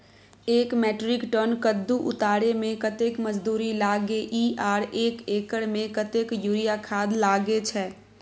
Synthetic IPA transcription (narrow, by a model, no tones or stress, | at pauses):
eːkmɛːʈɾɪkʈəːnkəd̪ːuʔʊ̰t̪aːɽemẽkət̪eːkməd͡ʒd̪uːɾilaːɡeʔiːʔaːɾeːkeːkəɽmẽkət̪ekjuːɾijakʰaːd̪laːɡet͡ʃʰɛː